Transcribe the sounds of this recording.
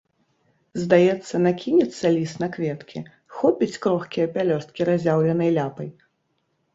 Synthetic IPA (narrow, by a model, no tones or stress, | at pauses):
zd̪ajɛt̪sːɐnakʲinʲɛt̪sːɐlʲisnɐkvʲɛt̪kʲi | xɔpʲit͡sʲkɾɔxkʲijɐpʲalʲɔst̪̚kʲiɾazʲawlʲɛnɐjlʲapɐj